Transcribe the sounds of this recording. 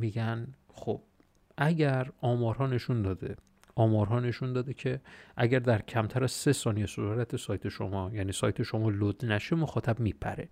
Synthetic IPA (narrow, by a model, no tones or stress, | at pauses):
miːɟæn | χob̥̚ | ʔæɟæɾɒːmɒːɾɦɒːne̞ʃund̪ɒːd̪e | ʔɒːmɒːɾɦɒːne̞ʃund̪ɒːd̪ecʰe̞ʔæɟæɾd̪æɾcʰæmt̪ʰæɾæz̥se̞sɒːnijesouɾæt̪ʰesɒːjt̪ʰe̞ʃo̰mɒːjæniːsɒːjt̪ʰe̞ʃo̞mɒːlod̪næʃemoxɒːt̪ʰæbmiːpʰæ̰ɾe̞